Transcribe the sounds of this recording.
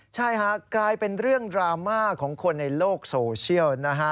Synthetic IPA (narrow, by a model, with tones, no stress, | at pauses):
t͡ɕʰa˥˩jkʰa˦˥klaː˧jpe˧nɾɯ˥˩əŋdɾaː˧maː˥˩kʰɔː˩˦ŋkʰo˧nːa˧jloː˥˩k̚soː˧t͡ɕʰi˥˩əwna˦˥kʰa˦˥